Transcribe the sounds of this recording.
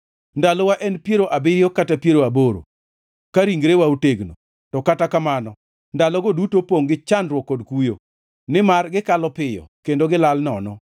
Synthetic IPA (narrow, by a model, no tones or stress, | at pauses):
ndalɔwaʔɛnpjeɾoʔabɪɾjɔkatapjeɾoaboɾo̰ | kaɾiŋɡɾewauteɡno̰ | tɔkatakamanɔ | ndalɔɡodutopoŋɡɪt͡ʃandɾwɔkːodkujo | nɪmarɡɪkalɔpɪjɔ̰kendoɡɪlalnɔnɔ